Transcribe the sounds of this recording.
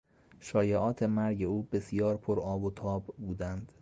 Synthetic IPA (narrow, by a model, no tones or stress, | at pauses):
ʃɒːjeʔɒːt̪ʰe̞mæɾɟe̞uːbe̞sijɒːɾpʰoɾɒːbot̪ʰɒːbbuːd̪ænd̪̥